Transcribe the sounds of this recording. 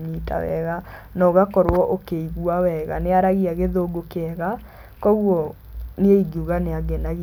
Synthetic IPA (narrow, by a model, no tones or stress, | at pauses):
ɲita̰wɛ̰ɣanɔɣakɔɾoɔʔokeiɣuawɛɣaneaɾaɣiaɣeðoɡokeɛɣa | kɔɣwɔ | neeiɡuɣaneaɡɛnaɣ